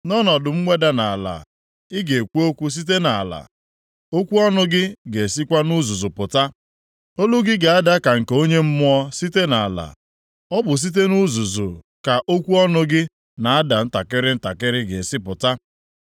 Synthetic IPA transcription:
nɔ˦nɔ˨dʊ˨ŋ͡m̩˦ŋʷe˦da˦na˨la̰˨ | ɪ˦ɡe˨kʷu˦o˦kʷu˦s̬i˦t̬e˦na˨a˨la̰˨ | o˦kʷu˦ɔ˦nʊ˦ɡɪ˦ɡe˨si˦kʷa˦nu˦zu˨zʊ˨pʊ˨ta˦ | o˦lu˦ɡɪ˦ɡe˨a˦da˦ka˨ŋ̩˨keo˦ɲe˦m̩˦mʊ˦ɔ˦si˦te˦na˨a˨la̰˨ | ɔ˦bʊ˨s̬i˦t̬e˦nu˦zu˨zʊ˨ | ka˨ʔo˦kʷu˦ɔ˦nʊ˦ɡɪ˦ | na˨a˦da˨n̩˦ta˨kɪ˦ɾɪ˦n̩˦ta˨kɪ˦ɾɪ˦ɡe˨sɪ˦pʊ˨ta˦

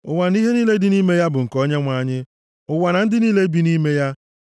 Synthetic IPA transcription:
ʊ˨wa˨n˦i˦ɦe˦niː˦le˦dɪ˦ni˦me˦ja˦bʊ˨ŋ̩˨kɔ˦ɲe˦ŋʷa˨˦˨ɲɪ˦ | ʊ˨wa˨na˨n̩˦dɪ˦niː˦le˦bi˦ni˦me˦ja˦

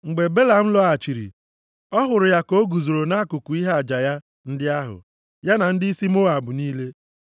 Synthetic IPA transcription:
ŋ͡m̩˨ɡ͡be˨be˦la˨m̩˦lɔ˦a˨t͡ʃi˨ɾḭ˨ | ɔ˦ɦʊ˨ɾʊ˨ja˦ko˦ɡu˨zo˨ɾo˨na˦kʊ˨kʊ˨i˦ɦa˦a˨d͡ʒa˨ja˦ | n̩˦dɪ˦a˦ɦʊ̰˨ | ja˦na˨n̩˦dɪ˦i˦si˦mo˦a˨bʊ˨niː˦le˦

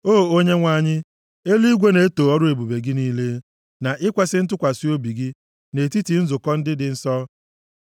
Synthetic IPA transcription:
oː˦o˦ɲe˦ŋʷa˦˨ɲɪ˦ | e˦li˦i˦ɡʷe˦ne˨e˦toː˨ɔ˦ɾʊ˦e˨bu˨be˨ɡɪ˦niː˦le˦ | na˨ʔɪ˦kʷe˦sɪ˦n̩˦tʊ˦kʷa˨si˦o˦bi˨ɡi˦ | ne˨ti˦ti˨n̩˦zʊ˨kɔ˦n̩˦dɪ˦dɪ˨n̩˦sɔ˦

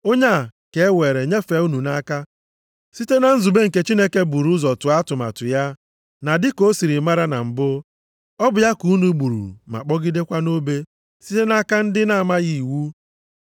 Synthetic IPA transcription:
o˦ɲa˦˨ke˨e˦we˨ɾe˨ɲe˦fe˨˦u˦nu˨na˦ka˦ | si˦te˦na˨n̩˦zu˨be˦ŋ̩˨ke˦t͡ʃi˦ne˦ke˦bu˨ɾu˦zɔ˨tʊ˨a˦tʊ˨ma̰˨tʊ̰˨ja˦ | na˨dɪ˦ko˦si˨ɾi˨ma˦ɾa˦na̰˨m̩˨bʊ˦ | ɔ˦bʊ˨ja˦ku˨˦nu˨ɡ͡bu˨ɾṵ˨ma̰˨k͡pɔ˦ɡɪ˦de˦kʷa˦no˦be˦ | si˦te˦na˦ka˦n̩˦dɪ˦na˦˨ma˦ɣi˨wu˦

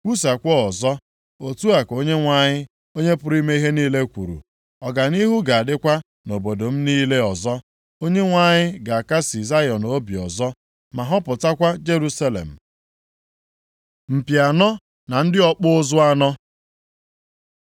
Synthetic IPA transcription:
kʷu˦sa˨kʷɔ˦ɔ˨zɔ˦ | o˨tu˦a˨ko˦ɲe˦ŋʷa˦˨ɲɪ˦ | o˦ɲe˦pʊ˨˦ɾi˦me˦i˦ɦe˦niː˦le˦kʷṵ˨ɾṵ˨ | ɔ˨ɡa˨ni˦ɦu˦ɡa˨a˨dɪ˦kʷa˦ | no˨bo˨do˨m̩˦niː˦le˦ɔ˨zɔ˦ | o˦ɲe˦ŋʷa˦ɲɪ˦ɡa˨a˨ka˦si˨za˦jɔ˨no˦bi˨ɔ˨zɔ˦ | ma˨ɦɔ˦pʊ˨ta˦kʷa˦d͡ʒe˦ɾu˦sa˦lḛ˨m̩˨ | m̩˨pja˨nɔ˦ | na˨n̩˦dɪ˦ɔ˦k͡pʊ˦zʊ˦a˦nɔ˦

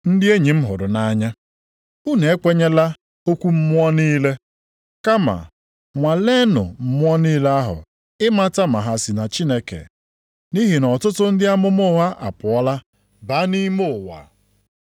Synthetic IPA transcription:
n̩˦dɪ˦e˦ɲi˨m̩˦ɦʊ˨ɾʊ˨na˦ɲa˦ | u˦ne˨e˦kʷe˦ɲe˦la˦ | o˦kʷu˦m̩˦mʷ˦ɔ˦niː˦le˦ | ka˦ma̰˨ | ŋʷa˨le˦nʊ̰˨m̩˦mʊ˦ɔ˦niː˦le˦a˦ɦʊ̰˨ | ɪ˦ma˦ta˦ma˨ɦa˨si˨na˨t͡ʃi˦ne˦kḛ˨ | ni˦ɦi˨nɔ˨tʊ˦tʊ˦n̩˦dɪ˦a˦mʊ˦mʊ˦ɦa˦ʔa̰˨pʊ˨ɔ˦la˦ | ba˨˦ni˦mo˦˨wa̰˨

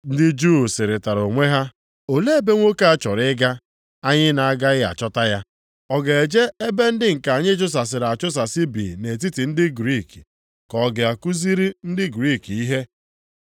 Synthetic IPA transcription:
n̩˦dɪ˦d͡ʒuː˦˨sɪ˨ɾɪ˨ta˨ɾo˨ŋʷe˦ɦa˦ | o˨le˦e˦˨be˦ŋʷo˦ka˦a˨t͡ʃɔ˨ɾɪ˦ɡa˦ | a˦ɲɪ˦na˨a˦ɡa˦ɣɪ˦a̰˨t͡ʃɔ˦ta˦ja˦ | ɔ˨ɡe˨e˨d͡ʒe˦e˦be˦n̩˦dɪ˦ŋ̩˨ka˨ɲɪ˦t͡ʃʊ˦s̬a˨s̬ɪ˨ɾa˨t͡ʃʊ˦s̬a˨sɪ˦bḭ˨ne˨t̬i˦ti˨n̩˦dɪ˦ɡɾi˦˨ki˨ | kɔ˨˦ɡɪ˨a˨ku˦zi˦ɾi˦n̩˦dɪ˦ɡɾi˦˨ki˦ɦe˦

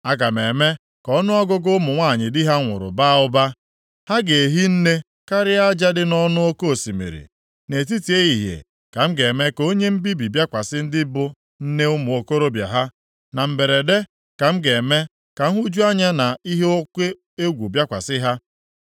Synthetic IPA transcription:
a˦ɡa˨me˨me˦ | kɔ˦nʊ˦ɔ˦ɡʊ˦ɡʊ˦mʊ˨ŋʷa˦˨ɲɪ˨dɪ˦ɦa˦ŋʷʊ̰˨ɾʊ̰˨ba˦ʊ˦ba˦ | ha˦ɡe˨ɦi˦n̩˦ne˦ | ka˦ɾɪ˦a˦d͡ʒa˦dɪ˦nɔ˦nʊ˦o˦ko˦o˨si˨mḛ˨ɾḭ˨ | ne˨t̬i˦ti˨e˦i˨ɦjḛ˨ | ka˨m̩˦ɡe˨me˦ko˦ɲe˦m̩˦bi˦bi˨bja˦kʷa˨sɪ˦n̩˦dɪ˦bʊ˦ | n̩˦ne˦ʊ˦mʊ˨o˨ko˦ɾo˦bja̰˨ɦa˦ | na˨m̩˨be˨ɾe˨de˦ | ka˨m̩˦ɡe˨me˦ | ka˨ŋ̩˦ɦu˦d͡ʒu˦a˦ɲa˦na˨i˦ɦe˦o˦kʷe˦ | e˦ɡʷu˨bja˦kʷa̰˨sɪ˦ɦa˦

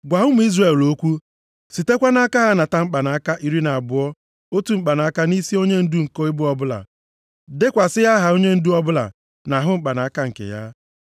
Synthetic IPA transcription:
ɡʷa˨ɦʊ˦m̩˨˦i˦zre˦˨lo˦kʷu˦ | si˨te˦kʷa˦na˦ka˦ɦa˦na˨ta˨ŋ͡m̩˦k͡pa˨na˨a˦ka˦ʔi˨ɾi˦na˨a˨bʊ˨˦ɔ˦ | o˦tu˨ŋ͡m̩˦˨k͡pa˨na˨a˦ka˦ni˦si˦o˦ɲe˦n̩˦du˦ŋ̩˨ko˦ɪ˦bʊ˦ɔ˦bʊ˦la̰˨ | dɪ˦kʷa˨sɪ˦ja˦ɦa˨o˦ɲe˦n̩˦du˦ɔ˦bʊ˦la̰˨ | na˨ɦʊ˦ŋ͡m̩˦k͡pa˨na˨a˦ka˦ŋ̩˨kḛ˨ja̰˦

